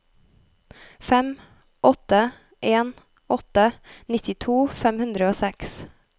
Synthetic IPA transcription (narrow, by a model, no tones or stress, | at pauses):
fɛm | ʔɔt̪ə | ʔeːn | ʔɔt̪ənɪt̪ɪt̪ʰuːfɛmhʉnd̪ɾəoːsɛks